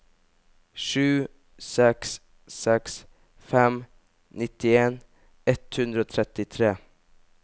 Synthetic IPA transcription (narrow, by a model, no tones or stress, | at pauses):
ʂʉː | sɛksː | ɛks | fɛm | nɪt̪ɪeːn | ɛt̪hʉnd̪ɾəoːt̪ʰɾɛt̪ːɪt̪ʰɾeː